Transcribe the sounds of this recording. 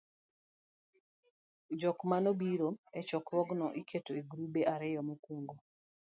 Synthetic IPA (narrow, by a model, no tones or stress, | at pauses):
d͡ʒɔkmanobiɾoɛt͡ʃɔkɾwɔɡnɔʔikʰetoeɡɾubeʔaɾɪjɔmokuŋɡo